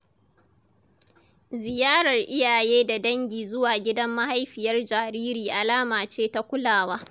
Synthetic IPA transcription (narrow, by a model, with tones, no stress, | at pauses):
zɪ˨jaː˦ɽɐ˨rʔɪ˦jaː˨jeː˦da˨dɐ˦ŋɡʲiː˨zʊ˦waː˨ɡʲɪ˦dɐ˦mːa˦ha˦jɸɪ˨jɐ˦rd͡ʒaː˨ɾiː˦ɾiː˨ʔa˨laː˦maː˨t͡ʃeː˦ta˦kʷʊ˦laː˨waː˦